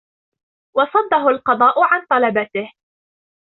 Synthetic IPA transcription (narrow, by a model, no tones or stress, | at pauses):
wɑsˤɑd̪ːɑɦʊlqɑd̪ˤɑːʔʊʕant̪ˤɑlɑbat̪ɪh